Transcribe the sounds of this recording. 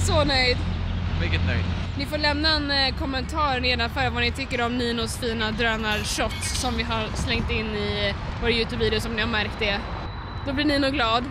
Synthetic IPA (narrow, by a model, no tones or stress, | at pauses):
sɔnœjd̪vɪlkət̪̚nœ̰jd̪nɪfoːɭɛmnaɛnkʰɔmːɛnt̪ʰɑːɾneːd̪anfœːɾavanɪt̪ʰʏkːəɾɔmniːnʊsfiːnad̪ɾœːnaʂɔt̪ːɔmvɪɦaɾslɛŋt̪ɪnːɪvoːɾajʉ̟ːt̪ʰʉːbviːd̪ɪʊsɔmnɪhaɾmæɾkt̪̚d̪ɛ | d̪̥ɔblɪɳinʊɡlɑːd̪